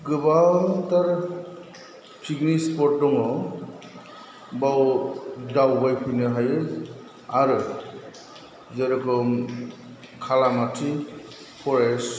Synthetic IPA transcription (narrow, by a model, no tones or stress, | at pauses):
ɡɯbantaɾ | pʰiɡnispɔɾt̚dɔŋɔ | bawdawbajpʰujnɯɦajɯ | aɾɯ | zeɾɯɡɔm | kʰalamatʰi | pʰɔɾes